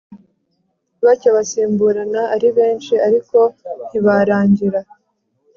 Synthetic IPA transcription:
βacaβasiːmbuɾanaːɾiβe̞ːnt͡ʃiaɾiko̞n̥hiβaɾaːɲɟiɾa

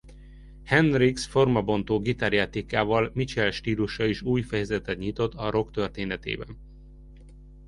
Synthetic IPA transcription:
hɛnriksfo̞rmɒbo̞nt̪oːɡit̪aɾjat̪ikaːvɒlmit͡ʃɛlʃt̪iːluʃɒiʃuːjfɛjɛzɛt̪ɛt̪ɲit̪o̞t̪ːɒɾo̞kt̪ø̞rt̪eːnɛt̪ḛːbɛn

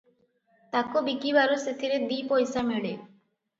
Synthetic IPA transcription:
t̪akubikibaɾuset̪ʰiɾed̪ipojsamiɽe

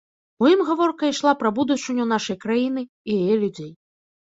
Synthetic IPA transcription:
ujimɣavɔrkɐiʂlˠapɾɐbud̪ut͡ʂːɨɲʲunaʂɐjkɾajinɨ | ijajɛlʲud͡zʲej

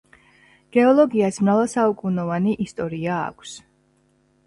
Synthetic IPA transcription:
ɡ̥ɛɔlˠɔɡiasmɾalasaukʼunɔvaniʔist̪ʼɔɾia̰ːkʷʰs

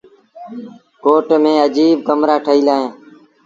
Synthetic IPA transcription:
koːʈmẽːəd͡ʒiːb̚ɡəmɾaːʈʰəiːlaːɦẽː

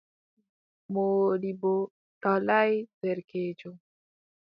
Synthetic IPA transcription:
molibo | talajveɾked͡ʒo

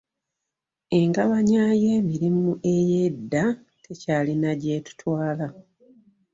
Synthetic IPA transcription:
e̞ŋɡaβaɲaje̞ːmiɾimuʔe̞jedːa | tʰe̞caːlinaɟe̞ːtu̥twaːla

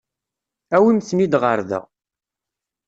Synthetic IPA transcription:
æwimθnid̪ʁəɾðə̰ʁ

